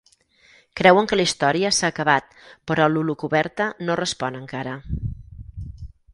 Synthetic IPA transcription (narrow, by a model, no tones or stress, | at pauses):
kɾɛwəŋkəlist̪ɔɾiəsaːkəβat̪̚ | pəɾɔlulukuβɛɾt̪ənorəspɔnəŋkaɾə